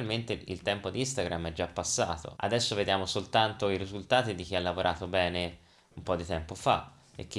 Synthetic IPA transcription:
lment̪eḭlt̪ɛmpod̪iist̪aɡɾamɛd͡ʒapːasːa̰ːt̪o̰a̰d̪ɛsːoved̪jaːmosolt̪ant̪oiɾizult̪aːt̪id̪ik̟ialːavoɾʔa̰ːt̪obɛːne | umpɔd̪ːit̪ɛmpofa̰ | ḛk̟ːi

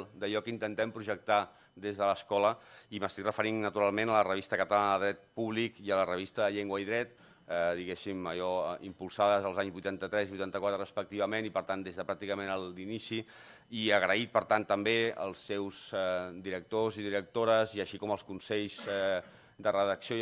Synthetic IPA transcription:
d̪əʎɔkint̪ənt̪ɛmpɾuʒək̚t̪a | d̪ezðələskɔləiməst̪ikrəfəɾinːət̪uɾalˠmenələrəβist̪əkət̪əlanəðəðɾɛt̪̚puβlikiələrəβist̪əðəʎeŋɡwəiðɾɛt̪ | ɛðiɣesimə̰ʎɔḭmpulˠsaðəzəlˠzaɲzβujt̪ant̪ət̪ɾɛzβujt̪ant̪əkwat̪ɾərəspək̚t̪iβ̞əmẽnipəɾt̪and̪ezðəpɾak̚t̪ikəmẽnəlˠinisi | iəɣɾəit̪̚pəɾt̪ant̪ːəmbeə̰lˠsːɛwzɛd̪iɾək̚t̪oziðiɾək̚t̪oɾəziəʃikɔməlˠskunsɛʎzɛ | d̪ərəðəksio

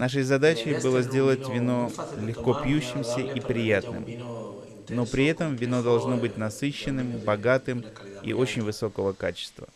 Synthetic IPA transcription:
naʂ̬əjzɐd̪at͡ɕɪbɨlˠəzʲdʲe̞lˠətʲvʲɪno̞lʲɪxko̞pʲjʉɕːɪmsʲəʔipɾʲɪjat̪nɨ̰m | no̞pɾʲɪɛt̪əmvʲɪno̞d̪ɐlˠʐno̞bɨt̚ʲnɐsɨɕːɪnːɨmbɐɡat̪ɨmḭʔo̞t͡ɕɪnʲvɨso̞kəvəkat͡ɕɪ̥st̪və̰

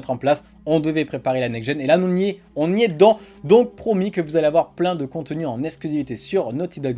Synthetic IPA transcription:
t̪χɑ̃plas | ɔ̃d̪əvɛpχepaʁelanɛɡʒɛnelãe | ɔ̃niɛd̪ɑ̃ | d̪ɔ̃k̚pχɔmikəvuzaleavwaʁplɛ̃d̪əkɔ̃t̪ənyɑ̃nɛksklyzivit̪esyʁnot̪id̪ɔɡ

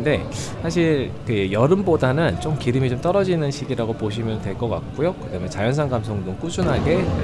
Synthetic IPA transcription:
de̞ | sʰaɕ̬ʰiɾkɯjʌɾɯmbodanɯnt͡ɕ͈omkiɾɯmit͡ɕomt͈ʌɾʌd͡ʑinɯnɕʰiɡiɾaɡopoɕ̬ʰimjʌntwe̞ɭk͈ʌk͈a̰k̚k͈ujokɯdamjʌt͡ɕajʌns̬ʰaŋɡamsʰoŋduŋk͈usʰunɦaɡe̞

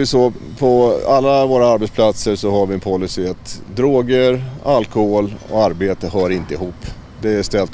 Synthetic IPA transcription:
ɪsopʰɔalːavoːɾaaɾbɛt̪spʰlat̪səʂɔɦaɾvɪɛnpʰɔlːʏsɪat̪d̪ɾoːɡəɾalkɔhoːlɔ̰aɾbeːt̪əɦœːɾɪnt̪əɪɦuːpː | d̪ɛæʂt̪ɛlt̪

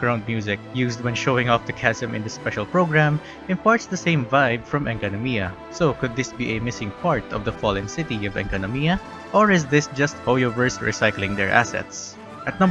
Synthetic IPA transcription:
ɡɹãʊ̃nd̪̚mjuzɪk̚juːsd̪̚wɛ̃nʃowɪ̃ŋɔfd̪ɐkʰæsɛ̃mɪ̰̃nd̪əspɛʃɐlpɹoʊɡɹãm | ɪ̃npaɹt̪sd̪ɐsẽɪ̃mvaɪbfɹɔ̃mɛ̃ŋkɔnɔmiɐ | sokʊd̪̚ːɪsbiʔemɪsɪ̃ŋpʰaɹt̪ɔvd̪ɐfɔlɛ̃nsɪt̪iɔvɛ̰̃ŋkɔnɔmiɐ | ʔɔɹɪzd̪ɪsd͡ʒʌst̪̚hojovəɹsɹḭsajklɪ̃ŋd̪ɛɹʔæ̰sɛ̰t̪s | ʔɐt̪nʌ̃

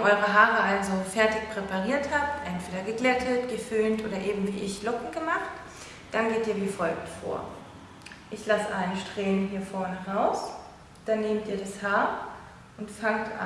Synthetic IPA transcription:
ʔɔʏʁ̞əɦaːʁəʔalzofɛɐtɪçpʁ̥epaʁ̞iːɐthaːp̚tʔɛntv̥eːdɐɡəɡlɛtʰətɡ̥əfʏːntʔo̰ːdɐʔeːbm̩viːʔɪçlɔkŋ̩ɡ̥əmaχt | d̥anɡeːtiːɐviːfɔlk̚tfo̰ːɐ | ʔɪçlasəʔaɪnəʃtʁ̥eːənɦiːɐfɔɐnəʁaʊs | d̥anːeːmtʔiːɐɾashaːɐ | ʔʊntfaŋtʔa̰

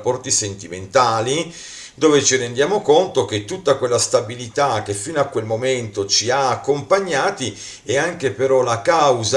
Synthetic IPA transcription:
pːɔrt̪isent̪iment̪aːli | d̪oːvet͡ʃirend̪jaːmokont̪ok̟et̪ːut̪ːakwelːast̪abilit̪ak̟efːinoakːwelmoment̪ot͡ʃiaːkːompaɲːaːt̪i | ɛaŋk̟epeɾɔlakawza

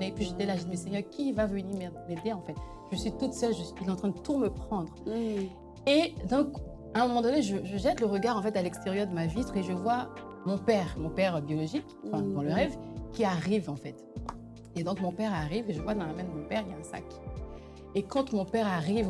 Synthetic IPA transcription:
nepɥiʒəd̪elaʒɛt̪mesɛɲœʁkʲivavəniʁmɛmed̪eɑ̃fɛt̪ | ʒ̥əsɥit̪ut̪sœlʒəsilɛɑ̃t̪χɛ̃d̪ət̪uməpχɑ̃d̪ʁ | ed̪ɔ̃k | ɛ̃mɔmɑ̃d̪ɔneʒəʒəʒɛt̪ləʁəɡaʁɑ̃fɛt̪alɛkst̪eʁjœʁd̪əmavit̪χeʒəvwa | mɔ̃pɛʁmɔ̃pɛʁbjɔlɔʒikɑ̃fɛ̃d̪ɑ̃ləʁɛvkʲiaʁivɑ̃fɛt̪ | ed̪ɔ̃kmɔ̃pɛʁaʁiveʒəvwad̪ɑ̃lamɛ̃d̪əmɔ̃pɛʁiljaɛ̃sa̰k | ekɑ̃t̪mɔ̃pɛʁaʁiv

